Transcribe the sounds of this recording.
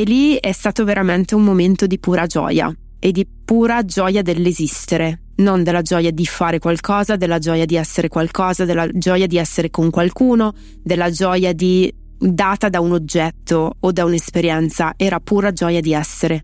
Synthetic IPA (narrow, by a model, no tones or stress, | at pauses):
elːiɛst̪aːt̪oveɾament̪eummoment̪od̪ipuːɾad͡ʒɔ̰ːja̰ | ed̪ːi | puːɾad͡ʒɔːjad̪elːezist̪eɾe | nond̪elːad͡ʒɔːjad̪ifaːɾekwalkɔːzad̪elːad͡ʒɔːjad̪iɛsːeɾekwalkɔːzad̪elːad͡ʒɔːjad̪iɛsːeɾekoŋkwalkuːno | d̪elːad͡ʒɔːjad̪i | d̪aːt̪ad̪aunod͡ʒːɛt̪ːoːd̪aunespeɾjɛnt̪saʔɛːɾapuːɾad͡ʒɔːjad̪iɛsːeɾe